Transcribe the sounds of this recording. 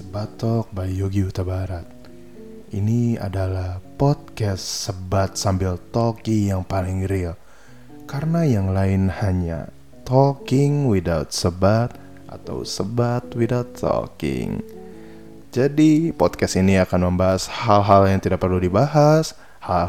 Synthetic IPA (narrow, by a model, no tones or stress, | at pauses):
səbat̪ɔk̚bajoɡiut̪abaɾat̪̚ | inia̰dalahpɔt̪̚kɛssəbat̪̚sambɪlt̪okijaŋpalɪŋɾil | kaɾənajaŋlaɪnhaɲa̰ | t̪ɔkɪŋwidawt̪̚səbat̪̚ | ʔa̰t̪a̰wsəbat̪widawt̪ʰːɔ̰kɪ̰ŋ | d͡ʒadipɔt̪̚kɛsiniakanməmbaɦashalɦaljaŋt̪idak̚pərludibaɦas | ha